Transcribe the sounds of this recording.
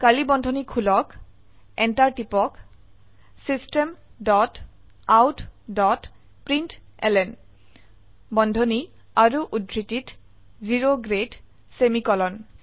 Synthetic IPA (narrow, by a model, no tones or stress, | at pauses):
kalibɔndʱɔnikʰulɔk | ɛntaɹtipɔk | sistemdɔt | awtʰdɔt | pɹintɛ̰lɛn | bɔndʱɔni | aɹuʔudɹitit | ziɹoɡɹed | semikɔlɔn